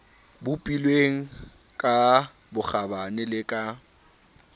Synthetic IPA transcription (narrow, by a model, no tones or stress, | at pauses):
bʊpʼilweŋ̩ | kʼa | bʊχabanɪlɪkʼa